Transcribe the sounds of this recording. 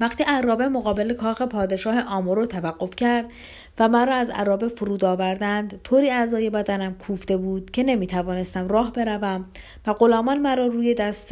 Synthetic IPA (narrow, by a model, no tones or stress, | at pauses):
væxt̪ʰiːæɾɒːbe̞moɣɒːbe̞le̞kʰɒːxe̞pʰɒːd̪e̞ʃɒːhe̞ʔɒːmoɾot̪ʰævæɡːo̞fcʰæɾd̪ | væmæɾɒːæzæ̰ɾɒːbe̞foɾuːd̪ɒːvæɾd̪ænd̪t̪ʰoːɾiːæzɒːje̞bæd̪ænæmkʰuːfd̪e̞buːd̪̥cʰe̞ne̞miːt̪ʰævɒːne̞st̪æmrɒːɦbe̞ɾævæm | væɢo̞lɒːmɒnmæɾɒːɾuːje̞d̪æst̪